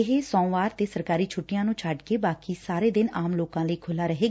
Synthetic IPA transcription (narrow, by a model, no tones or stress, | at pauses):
ɪɦeːsɔ̃ːʋaːɾt̪eːsəɾkaːɾiːt͡ʃʰʊʈːɪjãːnũːt͡ʃʰaɖkeːbaːkiːsaːɾeːd̪ɪnaːmloːkãːləiːkʰʊlaːɾəɦeːɡ